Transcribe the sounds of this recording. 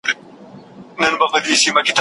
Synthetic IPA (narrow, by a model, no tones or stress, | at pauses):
nɐnbɐfɐdisimɐkɪta